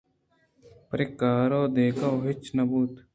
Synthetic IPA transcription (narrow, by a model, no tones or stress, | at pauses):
pɾɪkaːɾoːd̪eːkaːɦɪt͡ʃnɐbuːt̪